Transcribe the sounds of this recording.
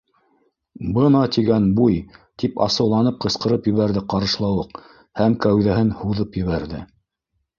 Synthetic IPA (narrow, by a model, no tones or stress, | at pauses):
bɤnɑt̪iɡænbujt̪ipɑ̰sɤ̆wlˠɑnɤp̚qɤ̆sqɤ̆ɾɤpjɘ̆βæɾðɘqɑɾɤ̆ʃlˠɑwɤq | hæmkæwðæɦɘnhuðɤpjɘ̆βæɾðɘ̰